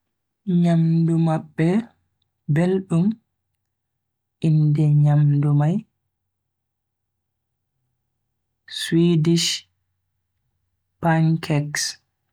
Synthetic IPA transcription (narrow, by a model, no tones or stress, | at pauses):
ɲamdumabːɛ | belɗum | ʔindɛɲamdumaj | swidiʃ | paŋkʰɛks